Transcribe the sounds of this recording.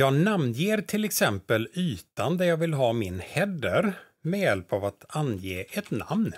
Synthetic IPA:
jɑːɡnamnjeːɾt̪ʰɪlɛksɛmpəlyːt̪and̪æjɑːɡvɪlɦɑːmɪnhɛd̪əɾ | mɛjɛlpavat̪anjeːʔɛt̪na̰mn

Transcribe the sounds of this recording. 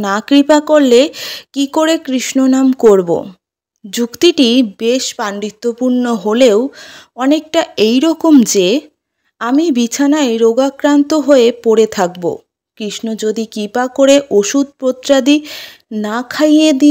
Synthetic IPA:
nakɾipakoɾlekikoɾekɾiʃnonamkoɾbo̰ | d͡ʑukt̪iʈibeʃpaɳɖit̪ːopuɾnoɦoleowɔnek̚ʈaejɾɔkomd͡ʑe | amibit͡ɕʰanaeɾoɡakɾant̪oɦoepoɾet̪ʰak̚bo̰ | kɾiʃnod͡ʑod̪ikɾipakoɾeʔoʃud̪̚pɾot̪ːɾad̪i | nakʰajed̪i

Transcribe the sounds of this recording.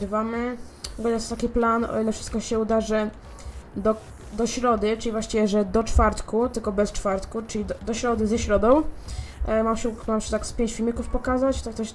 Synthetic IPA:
ɾɘvamɘ | ɡɛɲast̪akʲiplanɔ̰ilɛfʂɘst̪kɔɕɛud̪aʐɛ | d̪ɔ | d̪ɔɕɾɔd̪ɘt͡ʂɘlʲivwaɕt͡ɕivʲɛʐɛd̪ɔt͡ʂfaɾt̪kut̪ɘlkɔbɛst͡ʂfaɾt̪kut͡ʂɘlʲid̪d̪ɔɕɾɔd̪ɘzɛɕɾɔd̪ɔ̃w̃ | maɕɛmamʂɛt̪akspʲjeɲt͡ɕfʲilmʲikufpɔkazat͡ɕt̪akt̪ɔɕ

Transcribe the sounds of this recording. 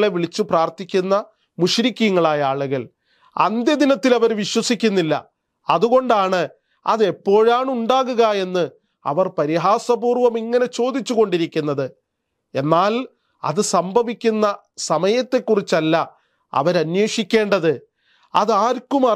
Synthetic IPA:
ɭe̞ʋiɭit͡ɕːupraːrt̪ikʲːunːɐ | muʂɾikʲːiŋːɐɭaːjɐaːɭuɣɐɭ | ɐ̰nd̪jɐd̪inɐt̪ːilɐʋɐɾʋiɕwɐsikʲːunːilːɐ̰ | ɐðuɣo̞ɳɖaːɳɨ | ɐ̰ðe̞pːo̞ːɻaːɳuɳɖaːɣuɣɐe̞nːɨ | ɐ̰ʋɐrpɐɾiɦaːsɐbuːrʋɐmiŋːɐne̞t͡ɕo̞ːd̪it͡ɕːuɣo̞ɳɖiɾikʲːunːɐðɨ | e̞nːaːl | ɐ̰ðɨsɐmbʱɐʋikʲːunːɐ | sɐmɐjɐt̪ːe̞kːurit͡ɕːɐlːɐ | ɐ̰ʋɐɾɐnweːʂikʲːe̞ːɳɖɐðɨ | ɐðaːɾkumɐ

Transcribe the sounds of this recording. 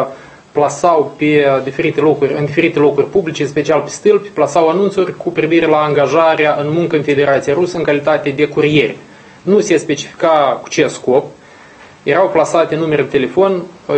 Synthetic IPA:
plasawped̪ife̞ɾit̪e̞lo̞kurʲɨnd̪ife̞ɾit̪elokurʲpublit͡ʃeɨnspe̞t͡ʃialpe̞st̪ɨlpʲplasawanunt̪surʲkʰupɾiviɾe̞laːŋɡaʒaɾeaʔɨnmuŋkəɨnfe̞d̪e̞ɾat̪sijaɾusəɨŋkalit̪at̪e̞d̪e̞kuɾije̞rʲe | nusespe̞t͡ʃi̥fi̥kaku̥t͡ʃesko̞p̚ | je̞ɾawplasat̪enːume̞ɾet̪e̞le̞fo̞n

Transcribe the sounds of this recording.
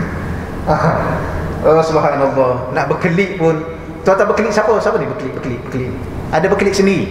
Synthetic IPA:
a | asubɦaʔinalːɔnaʔbəkəliʔpʊn | t̪uat̪abəkəlɪʔsapəsapənibəkəlɪʔbəkəlɪʔbəkəliʔ | ʔadabəkəlɪʔsəni

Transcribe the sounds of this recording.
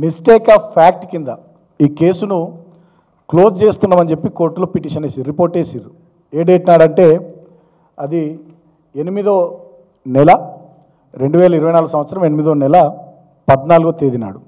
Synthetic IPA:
misʈɛːkaːpʰaːk̚ʈkind̪ɐ | iːke̞ːsunu | klo̞ːst͡ʃe̞ːst̪unːaːmɐnt͡ʃe̞pːiko̞ːɾʈloːpiʈiːʂɐneːsiɾipoːɾʈːeːsiɾu | eːɖeːʈinaːɽɐɳʈe̞ː | ɐd̪i | enimid̪o̞ː | nɛlɐ | ɾe̞ɳɖuʋɛːlɐiɾuʋɐjnaːluɡusɐmʋɐt̪sɐɾɐme̞nimid̪oːnɛlɐ | pɐd̪naːluɡot̪eːd̪ina̰ːɽu

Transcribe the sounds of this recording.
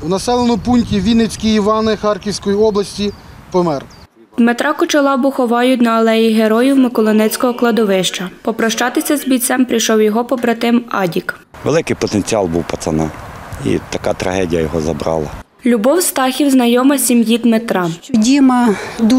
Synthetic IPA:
wnɐsɛlˠenʊpunʲtʲiʋʲinet͡sʲkʲiːʋɑnɪxɑrkʲiwsʲkɔjiɔblˠɐsʲtʲi | pɔmɛr | d̪met̪ɾɑkʊt͡ʃɐlˠɑbʊxɔʋɑjʊtʲnɐːlˠɛjiɦeɾɔjiwmɪkɔlˠɔnɛt͡sʲkɔɦɔklˠɐd̪ɔʋɪʃt͡ʃɐpɔpɾɔʃt͡ʃɑt̪ɪsʲɐzbʲijt̪sɛmpɾijʃɔwjɔɦɔpɔbɾɐt̪ɪmɑdʲik | ʋḛlˠɪkɪjpɔt̪enʲt͡sʲiɑlˠbuwpɐt̪sɐnɑḭt̪ɐkat̪ɾɐ̰ɦɛdʲijɐjɔɦɔzɐ̰bɾɑ̰lˠɐ̰ | lʲubɔwst̪ɑxʲiwznɐjɔmɐsʲimjid̪met̪ɾɑdʲimɐd̪u

